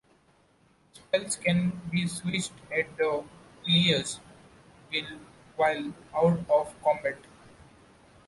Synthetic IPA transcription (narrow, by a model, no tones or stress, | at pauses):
spɛlskɛ̃nbiːswɪt͡ʃʈɛʈ̚d̪ə | iəɾz | ʋɪl | ʋaɪlaʊʈɔːʋkɔ̃mbæʈ